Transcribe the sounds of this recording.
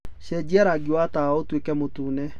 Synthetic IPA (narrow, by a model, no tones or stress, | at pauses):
ʃɛd͡ʑiɛɾaɡiwataaotwekɛmotuːnɛ